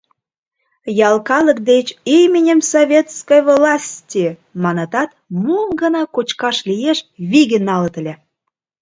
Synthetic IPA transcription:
jɑlkɑlək̚d̪et͡ɕimʲinʲəmsovʲet̪skəjvlɑsʲtʲimɑnɑt̪ɑt̪mumɡə̆nɑkot͡ɕkɑʃlʲijeʃβiɣə̆nːɑlət̪ə̆lʲe

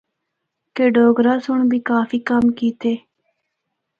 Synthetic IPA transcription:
keːɖoːɡɾaːsʊɳbʱiːkaːfiːkəmkiːt̪eː

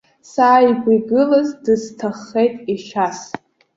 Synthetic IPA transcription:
saːiɡʷʼiɡɨlazdɨztʰaχːejtʼiʃas

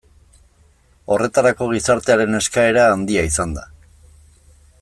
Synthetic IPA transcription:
o̞re̞t̪aɾako̞ɣ̞isaɾt̪e̞aɾe̞ne̞skae̞ɾaːnd̪iaisand̪a

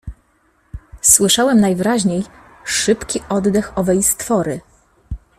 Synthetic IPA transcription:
swɘʂawɛmnajvɘɾaʑɲej | ʂɘpkʲiʔɔd̪d̪ɛxɔvɛjst̪fɔɾɘ

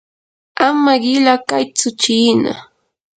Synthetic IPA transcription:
amaɢɪlakajt͡sʊt͡ʃiːna̰

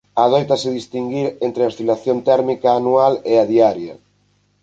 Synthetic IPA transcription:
aðojt̪asɪðist̪iŋɡiɾent̪ɾeost̪ilaθjont̪ɛɾmikaːnualeaðiaɾjɐ

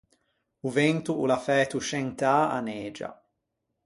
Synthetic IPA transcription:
uvent̪uulafɛːt̪uʃɛnt̪aa̰neːd͡ʒa̰

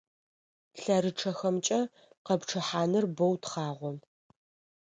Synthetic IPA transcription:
ɬɐɾɨʈ͡ʂʰɐxɐmt͡ʃʼɐ | qɐpʈ͡ʂʰɐħaːnɨrbɐwtχɑːʁʷɔ

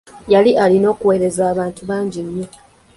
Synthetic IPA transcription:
jaliʔalino̞ːkuwe̞ːɾe̞zaːβaːntuβaːɲɟiɲːo

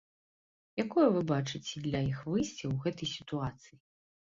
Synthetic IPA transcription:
jakɔjɐvɨbat͡ʂɨt͡sʲɛd̪lʲɐjixvɨsʲt͡sʲɛwɣɛt̪ɐjsʲi̥t̪uat̪sɨji

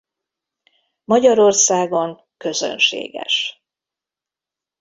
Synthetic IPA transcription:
mɒɟɒɾo̞rsaːɡo̞ŋ | kø̞zø̰nʃḛːɡɛ̰ʃ

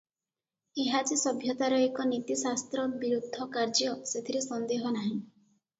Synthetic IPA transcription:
eɦat͡ʃisɔbʱjɔt̪aɾɔekɔnit̪isast̪ɾɔbiɾud̪ʱːɔkaɾd͡ʒjɔset̪ʰiɾesɔnd̪eɦɔnaɦĩ

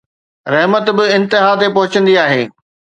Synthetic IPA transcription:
ɾɐɦmət̪bɪɪ̃nt̪ɪɦat̪epɐɦʊt͡ɕə̃nd̪iaːɦḛː

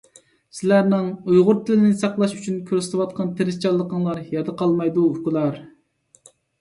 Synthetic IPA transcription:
sɪlæɾnɪŋujʁʊɾt̪ʰɪlɪnɪsɑqlˠɑʃyt͡ʃʰynkʲʰøɾsɪ̥t̪ʰɪwɑt̪̚qʰɑnt̪ʰeɾɪst͡ʃʰɑlˠːəqəŋlˠɑɾjɑd̪əqʰɑlˠmɑjd̪uukʊlˠɑɾ

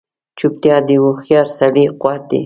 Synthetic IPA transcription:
t͡ʃup̚t̪jɑd̪iwuxijɑɾsabiqwɑt̪̚ḭ

